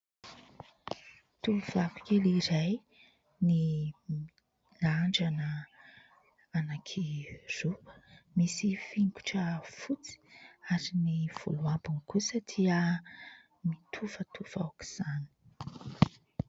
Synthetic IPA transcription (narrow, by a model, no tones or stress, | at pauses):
t̪uv̥aku̥keliɾaj | ni | laɳɖ͡ʐanə | anakʰirupə̥misifiŋku̥ʈ͡ʂəfut͡si̥aɾiniv̥ṵluambunkusat̪ʰiə | mit̪ʰuvət̪ʰuv̥a̰waki̥z̥ani̥